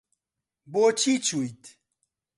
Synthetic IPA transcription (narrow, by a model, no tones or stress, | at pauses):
bot͡ʃʰit͡ʃujt̪